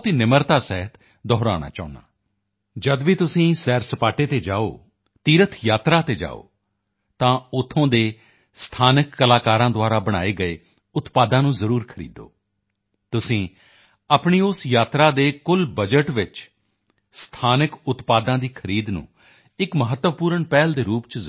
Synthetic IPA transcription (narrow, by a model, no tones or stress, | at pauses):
t̪iːnɪməɾt̪aːsɛːɦət̪ | d̪ɔːɾa̰ːna̰ːt͡ʃa̰ːʊna̰ː | d͡ʒəd̪ʋiːt̪ʊsĩːsɛːɾsəpaːʈeːt̪eːd͡ʒaːo̰ː | t̪iːɾət̪ʰjaːt̪ɾaːt̪eːd͡ʒa̰ːo̰ː | t̪ãːʊt̪ʰõːd̪eː | st̪ʰaːnɪkːəlaːkaːɾãːd̪ʊaːɾaːbəɽ̃a̰ːeːɡəeː | ʊt̪paːd̪ãːnũːzəɾuːɾkʰəɾḭːd̪o̰ː | t̪ʊsĩː | apɳiːʊsjaːt̪ɾaːd̪eːkʊlbəd͡ʒəʈʋɪt͡ʃ | st̪ʰaːnəkʊt̪paːd̪ãːd̪iːkʰəɾiːd̪nṵ̃ː | ɪkməɦət̪ːəʋpuːɾəɳpɛːld̪eːɾuːpt͡ʃ